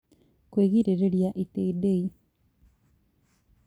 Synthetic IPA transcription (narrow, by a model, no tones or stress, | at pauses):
kweːɣiɾeɾeɾjaʔiteidei